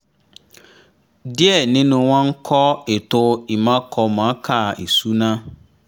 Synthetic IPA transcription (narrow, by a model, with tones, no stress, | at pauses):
dɪ˦ɛ˨nɪ̃˦nʊ̃˨wã˦ŋ̩˦kʰɔ˦e˨tʊ˦i˨mã˦kʰɔ˨mã˨˦kʰa˨e˨su˦nã˦